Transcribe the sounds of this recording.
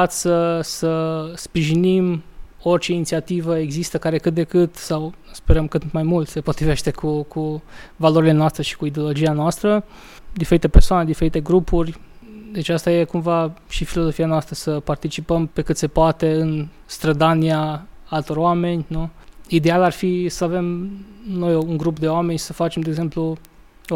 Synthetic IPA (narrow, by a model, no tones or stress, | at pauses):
at̪ssəsəspɾiʒinimo̞rʲt͡ʃe̞init̪siat̪ivəeɡzist̪əkaɾe̞kɨt̪̚d̪e̞kɨt̪sawspe̞ɾəmkɨt̪majmult̪se̞po̞t̪ɾive̞ʃt̪e̞kʰukʰuvalo̞ɾile̞noast̪ɾe̞ʃi̥kuid̪eo̞lo̞d͡ʒianoast̪ɾə | d̪ifeɾit̪e̞persoane̞d̪ife̞ɾit̪e̞ɡɾupurʲd̪e̞t͡ʃast̪aje̞kumvaʃifilo̞zo̞fianoast̪ɾəsəpart̪it͡ʃipəmpe̞kɨt̪se̞poat̪e̞ɨn | st̪ɾəd̪aniaalt̪o̞ɾoame̞nʲnuid̪e̞alarfisəave̞mno̞jouŋɡɾupd̪e̞oame̞nʲsəfat͡ʃe̞md̪eɡze̞mplu